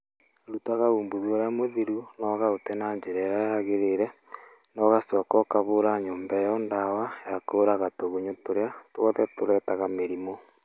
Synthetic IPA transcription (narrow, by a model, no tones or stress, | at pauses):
ɾutaɣauːmbuðoɾamoðiɾunɔɣaotɛnaɲd͡ʒeɾɛɾajaɣeɾeɾɛ | nɔɣasɔːkɔkaβoɾaɲoːmbɛjɔndawajakoɾaɣatoɣuɲotoɾeatoɣɔðɛtoɾɛtaɣameɾimo